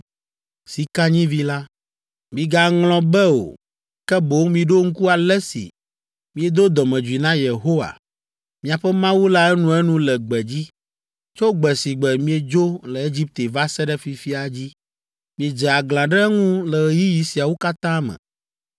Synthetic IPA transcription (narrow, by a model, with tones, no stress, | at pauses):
si˨ka˦ɲĩ˦vi˦la˦ | mĩ˨ɡa˨ŋlɔ̃˨bɛ˦o̰˨ | kɛ˦bo˨˦ŋmĩ˨ɖo˦ŋ̩˦ku˦a˨lɛ˦sḭ˨ | mĩ˦e˦˨d̪o˦d̪ɔ˨mɛ̃˨d͡ʒu˨i˨nã˦je˨ɦo˦wa̰˨ | mĩ˦˨a˨ɸɛ˦mã˦wu˦la˦ɛ˦nũ˦ɛ˦nũ˦lɛ˨ɡ͡bɛ˨d͡ʑi˦ | t͡ʃo˦ɡ͡bɛ˨si˨ɡ͡bɛ˨mĩ˦ɛ˨d͡ʒo˦lɛ˨e˦d͡ʑi˦p̚t̪e˨va˦sɛ˦ɖɛ˦fi˨fi˦a˨d͡ʑi˦ | mĩ˨e˨d͡ʒɛ˨a˨ɡlã˨ɖɛ˦ŋũ˦lɛ˨ɣji˦ji˨si˨a˨wo˦ka˦t̪ã˦mɛ̰̃˨